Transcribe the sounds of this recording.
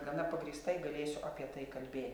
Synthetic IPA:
ɡɐnɐpɐɡɾʲɪːst̪ɐɪɡɐlʲeːsʲʊʔɐpʲiɛt̪ɐɪkɐlʲbʲeːt̪ʲ

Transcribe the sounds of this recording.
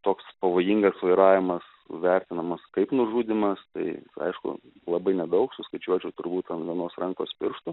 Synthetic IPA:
t̪oːkspɐʋoːjiŋɡɐsʋɐɪɾɑːʋʲɪmɐs | ʋʲæɾʲt̪ʲɪnɐmɐskɐɪpnʊʒuːd̪ʲɪmɐst̪ɐ̰ɪɐ̰ɪʃkʊ̰lˠɐbɐɪnʲɛd̪ɐʊksʊskɐɪt͡ʃʲuɔt͡ʃʲɛʊt̪ʊɾbuːt̪ɐnʋʲiɛnoːsrɐŋko̰ːspʲɪrʃt̪ʊ

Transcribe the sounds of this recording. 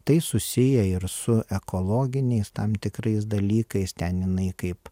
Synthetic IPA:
t̪ɐɪsʊsʲɪjɛɪɾsʊʔɛkoːlˠoːɡʲɪnʲɛɪst̪ɐmt̪ʲɪkɾɐɪsd̪ɐlʲiːkɐɪst̪ʲɛnjɪnɐɪkɐɪp

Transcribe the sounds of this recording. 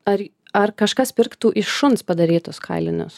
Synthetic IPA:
ɐɾ | ɐɾkɐʃkɐspʲɪɾkt̪uːʔɪʃʃʊnspɐd̪ɐɾʲiːt̪ʊskʰɐɪlʲɪnʲʊ̰s

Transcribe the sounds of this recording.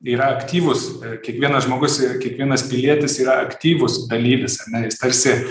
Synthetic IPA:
iːɾɐɐkt̪ʲiːʋʊskʲiɛkʋʲiɛnɐsʒmoːɡʊsɪkʲiɛkʋʲiɛnɐspʲɪlʲiɛt̪ʲɪsiːɾɐɐkt̪ʲiːʋʊsd̪ɐlʲiːʋʲɪsɐrʲnʲɛjɪst̪ɐɾʲsʲɪ

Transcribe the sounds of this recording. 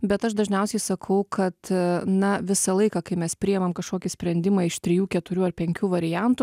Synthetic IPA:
bʲɛt̪ɐʃd̪ɐʒʲnʲɛʊsʲɛɪsɐkʰɐʊkʰɐt̪nɐʋʲɪsɐlˠɐɪkɑːkɐɪmʲɛspʲɾʲɪɛmɐmkɐʃkoːkʲɪsʲpʲɾʲɛnʲd̪ʲɪmɑɪʃt̪ʲɾʲɪjuːkʲɛt̪ʊɾʲuːɐrpʲɛŋʲkʲuːʋɐɾʲɪjænt̪u

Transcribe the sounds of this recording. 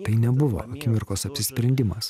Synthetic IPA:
t̪ɐɪnʲɛbʊʋo̰ːɐkʲɪmʲɪɾkoːsɐpʲsʲɪsʲpʲɾʲɛnʲd̪ʲɪmɐs

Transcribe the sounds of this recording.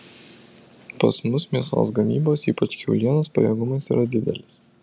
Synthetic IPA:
pɐ̰smʊsmʲiɛst̪o̰ːsɡɐmʲiːboːsiːpɐt͡ʃkʲɛʊlʲiɛnɐspɐ̰jɛɡʊmɐsiːɾɐd̪ʲɪd̪ʲɛ̰lʲɪs

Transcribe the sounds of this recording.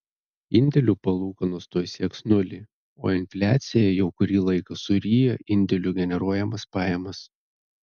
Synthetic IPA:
ɪnʲd̪ʲɛlʲupɐlˠuːkɐnust̪uɔjsʲiɛksnʊlʲi | o̰ːɪnʲfʲlʲæːt̪sʲɪjɛjɛʊkʊɾʲiːlˠɐɪkɐsʊɾʲiːjoʔɪnʲd̪ʲɛlʲuɡʲɛnʲɛɾuɔjɛmɐspɑːjɛmɐs

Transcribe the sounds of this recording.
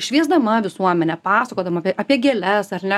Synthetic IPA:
ʃʲʋʲiɛzd̪ɐmɐʋʲɪsuɔmʲɛnʲɛpɑːsɐkoːd̪ɐmɐpʲʔɐpʲiɛɡʲɛːlʲɛsɐrnʲɛ

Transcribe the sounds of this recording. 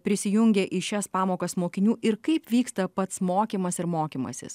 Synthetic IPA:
pʲɾʲɪsʲɪjʊŋʲɡʲeːʔɪʃʲɛspɑːmoːkɐsmoːkʲɪnʲuːʔɪɾkɐɪpʋʲiːkst̪ɐpɐt̪smoːkʲiːmɐsɪɾmoːkʲiːmɐ̰sʲɪ̰s

